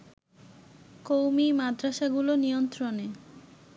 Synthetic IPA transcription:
kowmimad̪ɾaʃaɡulonijont̪ɾone

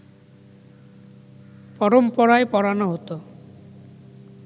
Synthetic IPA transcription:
pɔɾɔmpɔɾaepɔɾanɔɦot̪o

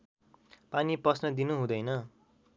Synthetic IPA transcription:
paniprʌsnʌd̪inuɦũd̪ʌjnʌ

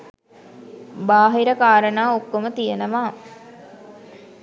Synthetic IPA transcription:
baːɦiɾəkaːɾənaːokːomət̪ijenəʋaː

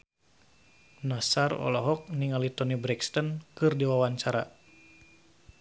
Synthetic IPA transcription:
nasarɔ̰lɔɦɔk̚niŋalit̪ɔnibɾɛkst̪ənkɨrdiwawaɲt͡ʃaɾa̰

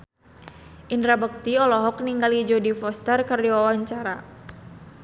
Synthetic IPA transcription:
ʔindɾabək̚t̪iɔlɔɦɔk̚niŋɡalid͡ʒɔdifɔst̪ərkərdiwawaɲt͡ʃaɾa

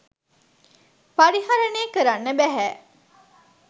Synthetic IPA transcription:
paɽihaɾɐneːkəɾanːebæɦæː

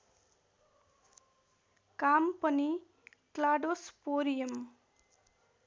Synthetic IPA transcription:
kampʌni | klaɖospoɾijʌm

